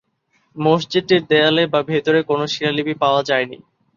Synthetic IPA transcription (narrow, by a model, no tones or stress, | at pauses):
mosd͡ʑid̪̚ʈiɾd̪ɛalebabʱet̪oɾekonoʃilalibipaoad͡ʑaenḭ